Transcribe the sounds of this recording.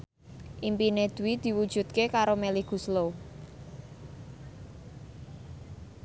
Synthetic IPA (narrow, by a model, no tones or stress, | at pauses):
ʔimpined̪̥ṳwid̪̥i̤wud̥ʒ̥ṳt̪̚kekaɾomeliɡ̥ṳslo